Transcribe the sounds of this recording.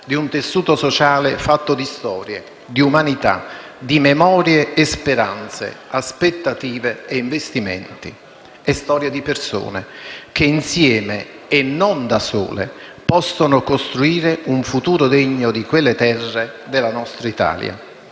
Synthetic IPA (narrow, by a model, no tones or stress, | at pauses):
d̪iunt̪esːuːt̪osɔt͡ʃaːlefat̪ːod̪ist̪ɔːɾjḛ | d̪iumanit̪a̰d̪imemɔːɾjeʔːspeɾa̰nt̪sḛaspet̪ːat̪iːveːiɱvest̪imḛnt̪i | ɛst̪ɔːɾjed̪iperso̰ːnek̟einsjɛːmeː | nːond̪asṵːlḛpɔsːonokost̪ɾuiːɾeuɱfut̪uːɾod̪eɲːod̪ikwelːet̪ɛrːed̪elːanɔst̪ɾait̪a̰ːlj̰a̰